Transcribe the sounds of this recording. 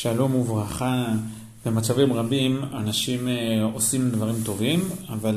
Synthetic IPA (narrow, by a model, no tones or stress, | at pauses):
ʃalumuvʁaχa | bemat͡savimʁabimanaʃimosimdvaʁimt̪o̞vimaval